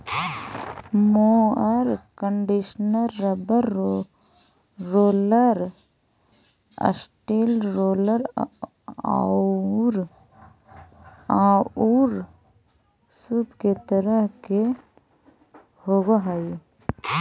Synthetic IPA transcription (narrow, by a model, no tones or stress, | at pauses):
moəɾkəɳɖiʃnəɾːəbəɾ | ɾoːləɾ | ə̰sʈelɾoːləɾ | a̰ | ɾ | auɾ | subket̪əɾəɦke | hoɡoɦai